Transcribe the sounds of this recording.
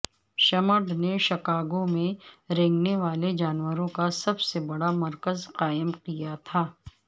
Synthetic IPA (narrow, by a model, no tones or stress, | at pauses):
ʃɐməɖneʃɐkaːɡõmẽɾɛ̃ːŋɡneʋaːled͡ʒaːnwəɾõkasɐbsebɐɽamɐɾkəzqaːəmqijat̪ʰaː